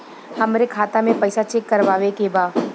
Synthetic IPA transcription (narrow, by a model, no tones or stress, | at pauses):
hɐmɾekʰaːt̪amẽpɐɪsat͡ʃekːɐɾʋaːʋekebaː